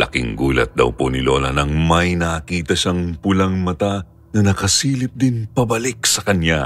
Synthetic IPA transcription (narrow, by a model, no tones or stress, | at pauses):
lɐ̰kɪ̰ŋɡuːlɐ̰t̪̚d̪ɐ̰wponɪlo̞ːlɐnɐŋmɐjnɐkiːt̪ɐʃaŋpʊlɐŋmɐt̪a | nɐnɐkɐsiːlɪp̚d̪ɪnpɐbɐlɪk̚sɐkɐnja